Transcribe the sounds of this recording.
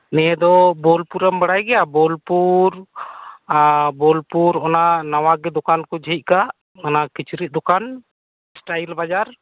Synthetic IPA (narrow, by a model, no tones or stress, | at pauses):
nɛɛd̪ɔbɔlpuɾambaɽajɡɛjabɔlpuɾ | abɔlpuɾɔnanawaɡɛd̪ɔkankɔd͡ʒəit̪̚kaʔ | ɔnakit͡ʃɾit̪̚d̪ɔkan | sʈajlbad͡ʒaɾ